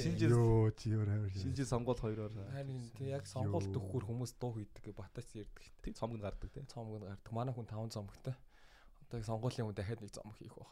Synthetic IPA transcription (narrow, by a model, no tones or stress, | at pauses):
ʃint͡ɕeot͡ɕʰijoːɾæwərʃint͡ɕĭsɔɴɢʊːɮχɔjɾɔːraɾint̪ʰejaksɔɢʊːɬt̪ɵxuːrxumuːst̪ʊːxiːt̪ɘ̆kːpat̪aːt͡ɕert̪ɘ̥̆k̪ʰtʰːet͡sʰɔmɡɘ̆nɢart̪ə̆k̚t̪ʰeːt͡sʰɔmɡə̆nɢart̪ə̆kmanæːxunt̪ʰawə̆nt͡sɔmə̆kt̪ʰœː | ɔt̪ɔːjaksɔɴɢʊːɮiːŋxunt̪æxʲaːt̪nekt͡sɔ̰mə̆xiːxʊχ